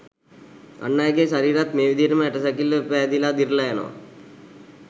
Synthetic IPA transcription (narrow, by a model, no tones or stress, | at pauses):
a̰nːajɡeʃaɾiːɾat̪meːʋid̪ʱinəməæʈəsakilːəpæːd̪ilad̪iɾlajano̰ʋa̰